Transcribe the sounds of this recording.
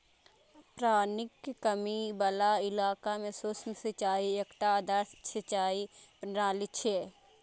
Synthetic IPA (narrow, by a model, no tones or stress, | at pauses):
pɾaːnɪkkəmibɐlaːɪlaːkamẽsʊsmsɐt͡ʃaːiekʈaːd̪əɾsʰɐt͡ʃaːipnɾaːlit͡ʃʰeː